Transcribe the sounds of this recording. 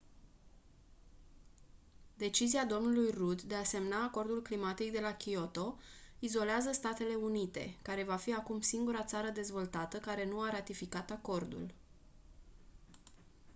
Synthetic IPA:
d̪e̞t͡ʃiziad̪o̞mnulujrud̪ːe̞ase̞mnaːko̞rd̪ulklimat̪ik̚d̪e̞lakʲio̞t̪o̞izo̞leazəst̪at̪e̞le̞unit̪e̞̰kaɾe̞vafiakumsiŋɡuɾat̪saɾəd̪e̞zvo̞lt̪at̪əkaɾe̞nuaɾat̪ifikat̪ako̞rd̪ṵl

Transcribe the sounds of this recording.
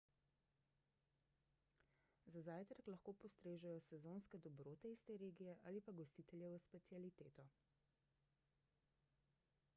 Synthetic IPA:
zazaːjt̪ɾaklɐxkoːpɔst̪ɾeːʒajɔsɛzoːnskɛd̪ɔbɾoːt̪ɛist̪eːɾeːɡijɛʔaːlipaɡɔst̪iːt̪ɛljɛvəspɛt̪sialit̪eːt̪ɔ

